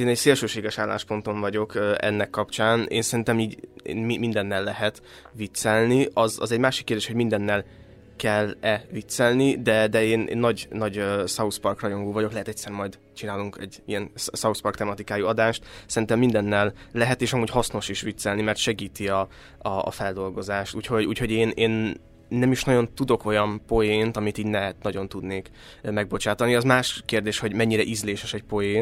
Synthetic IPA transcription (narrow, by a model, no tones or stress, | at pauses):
eːnɛcseːlʃøːʃeːɡɛʃaːlːa̰ːʃpo̞nt̪o̞ɱvɒɟo̞køɛ̰nːɛkːɒpt͡ʃaːnḛːnsɛɾint̪ɛmiːɟḛːnmimind̪ɛnːɛlːɛɦɛt̪ | ʋit̪sɛlniʔɒzɒ̰zɛɟmaːʃikːerd̪eːʃho̞ɟmind̪ɛnːɛl | kɛlɛvit̪sɛlnid̪ɛd̪ɛeːnʔḛːnːɒɟnɒɟøsɒuspɒrkrɒjo̞ŋɡoːvɒɟo̞klɛɦɛt̪ɛct̪ʲsɛrmɒjd̪ | t͡ʃinaːluŋkɛ̰ɟːijɛnssɒuspɒrkt̪ɛmɒt̪ikaːjiɒd̪aːʃt̪sɛɾint̪ɛmːind̪ɛnːɛlːɛɦɛt̪eːʃɒmuːɟhɒsno̞ʃiʃʋit̪sɛlnimɛrt̪ʃɛɡiːt̪iɒ̰ː | fɛld̪o̞lɡo̞zaːʃt̪uːcho̞ɟṵːcho̞ɟeːneːnː | ɛmiʃnɒɟo̞nt̪ud̪o̞ko̞jɒmpo̞jeːnt̪ɒmit̪iːɟnɛt̪nɒɟo̞nt̪ud̪neːk | mɛɡ̚bo̞t͡ʃaːt̪ɒniɒzmaːʃkeːrd̪eːʃho̞ɟmɛɲːiɾɛʔizleːʃɛʃɛc̚po̞jeːn